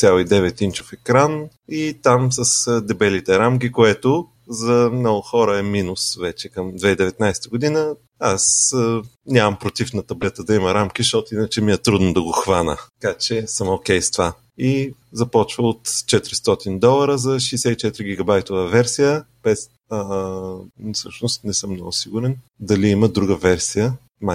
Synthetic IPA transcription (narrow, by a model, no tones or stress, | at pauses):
t̪sʲalˠid̪ɛvɛt̪int͡ʃo̥fɛkɾan | it̪amsɐsd̪ɛbɛlit̪ɛɾamk̬ikoɛt̪ʊ | zɐmnɔɡʊxɔɾəɛminʊsvɛt͡ʃɛkɐmd̪vɛid̪ɛvɛt̪najsɛ̥t̪əɡʊd̪inə | as | nʲamɐmpɾot̪ifnɐt̪ɐblɛt̪əd̪ɐimɐɾamkʲiʃt̪ɔt̪ʊinət͡ʃɛmiɛt̪ɾud̪nʊd̪ɐɡoxvanə̰t̪kat͡ʃɛsəmokʲɛjst̪va | izɐpɔt͡ʃvəot̪t͡ʃɛt̪ɾist̪ɔt̪ind̪ɔlˠɐɾəzɐʃɛjsɛit͡ʃɛt̪ɾiɡʲiɡɐbajt̪ovəvɛɾsijəb̥ɛs | fsɤʃnʊst̪nɛsɤmːnɔɡʊsiɡʊɾɛn | d̪ɐliiməd̪ɾuɡəvɛɾsijə | ma